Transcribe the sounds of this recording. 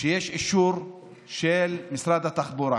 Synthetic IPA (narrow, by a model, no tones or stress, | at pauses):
ʃejeʃiʃuɾ | ʃelmisɾad̪at̪aχboɾa